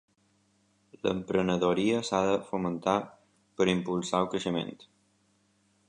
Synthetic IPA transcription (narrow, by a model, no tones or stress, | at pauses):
lə̰mpɾənəðoɾiəsaðəfumənt̪a | pəɾimpulˠsaukɾəʃəmḛnt̪